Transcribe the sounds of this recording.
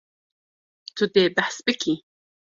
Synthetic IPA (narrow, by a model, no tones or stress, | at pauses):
t̪ʰʊd̪eːbaħsbɨkʲʰi